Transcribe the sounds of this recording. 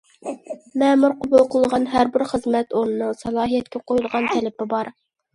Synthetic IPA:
mɛːmuɾqʰobulˠqʰəlˠʁɑnɦæɾbɪɾχəzmɛt̪oɾnɨnɨsɑlˠɑːɦijɛt̪̚kʲɛqʰojulˠʁɑnt̪ʰɛlɪpɪbɑɾ

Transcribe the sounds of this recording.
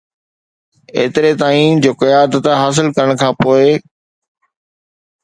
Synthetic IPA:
ḛːt̪ɪɾet̪aːiːnd͡ʑoːkɐjaːd̪ət̪ɦaːs̬ɪlkɐɾəɽ̃kʰãːpoːɪ

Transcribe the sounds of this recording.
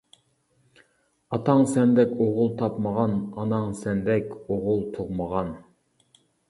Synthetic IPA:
ɑt̪ʰɑŋsɛnd̪ɛkʲoʁʊlˠt̪ʰɑpməʁɑnɑnɑŋsɛnd̪ɛkʲoʁʊlˠt̪ʰoʁməʁɑn

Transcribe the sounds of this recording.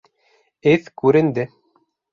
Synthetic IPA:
ɘθkʉɾɘ̆nd̪ɘ

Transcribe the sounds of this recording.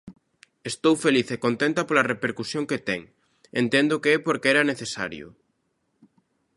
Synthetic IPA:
est̪owfeliθekont̪ent̪ɐpolɐrepeɾkusjoŋket̪ɛŋ | ent̪ɛnd̪ʊkeɛpoɾkeɛɾɐneθesa̰ɾjʊ̰

